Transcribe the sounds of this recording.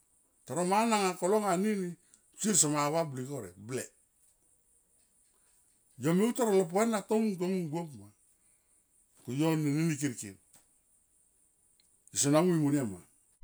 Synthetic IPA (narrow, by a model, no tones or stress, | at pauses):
taɾomanaŋakoloŋanini | t͡ʃiɾs̬omaβablikoɾḛble | jomeutoɾolop̬enatomŋt̬omuŋɡokma | kujonininik̬iɾkḭn | isonamuimunema̰